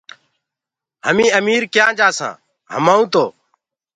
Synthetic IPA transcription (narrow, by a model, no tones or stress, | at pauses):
həmĩːəmiːɾkjãːd͡ʒaːsã̰ː | ɦə̰mãːũːt̪oː